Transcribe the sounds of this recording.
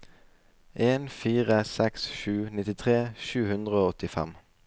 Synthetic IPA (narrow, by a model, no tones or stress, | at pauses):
ʔeːnfiːʁəsɛksʃʉːnɪt̪ɪt̪ʰʁeːʃʉːhʉnd̪ʁəoːɔt̪ɪfɛ̰m